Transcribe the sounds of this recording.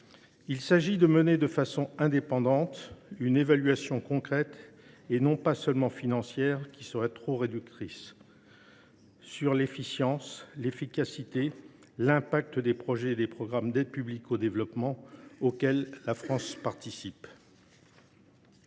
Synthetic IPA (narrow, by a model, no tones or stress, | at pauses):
ilsaʒid̪əməned̪əfasɔ̃ɛ̃d̪epɑ̃d̪ɑ̃t̪ynevalɥasjɔ̃kɔ̃kχɛt̪ | enɔ̃pasœlmɑ̃finɑ̃sjɛʁkʰʲisəʁɛt̪χoʁed̪yk̚t̪χis | yʁlefisjɑ̃slefikasit̪e | lɛ̃pak̚t̪d̪epχɔʒɛːd̪epχɔɡʁamd̪ɛd̪̚pyblikod̪evlɔpmɑ̃okʲɛlːafχɑ̃spaʁt̪isip